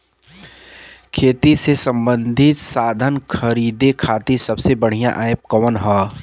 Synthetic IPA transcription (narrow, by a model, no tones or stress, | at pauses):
kʰeːt̪isesɐ̃mbə̃nd̪ʱɪt̪saːd̪ʱənkʰəɾiːd̪ekʰaːt̪isɐbsebɐɽ̤ijãʔaːep̚kɔːnɦaː